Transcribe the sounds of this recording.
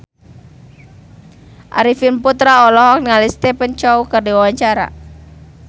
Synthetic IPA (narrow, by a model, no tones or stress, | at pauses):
ʔa̰ɾifinput̪ɾaɔlɔɦɔk̚niŋalist̪ɛpənt͡ʃɔukɨrdiwawaɲt͡ʃaɾa̰